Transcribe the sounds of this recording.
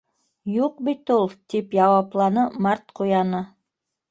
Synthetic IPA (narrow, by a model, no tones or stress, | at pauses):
juq̚bit̪ulˠt̪ipjɑwɑplˠɑnɤmɑɾt̪qʰujɑnɤ